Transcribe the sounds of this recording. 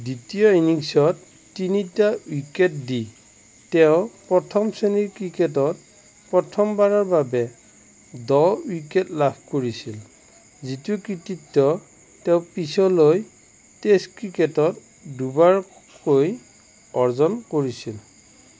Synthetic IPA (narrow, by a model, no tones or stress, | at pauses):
ditijɔiniŋsɔtː | initauiket̚di | tɛʊpɹɔtʰɔmseniɹkɹiket̬ɔt̚ | pɹɔtʰɔmbaɹɔɹbabɛ | dɔuketlabʰʱkoɹisil | zitukɹititːɔ | tɛʊpisɔloj | testkɹiketɔt | dubaɹ | koj | ɔɹzɔnkoɹisil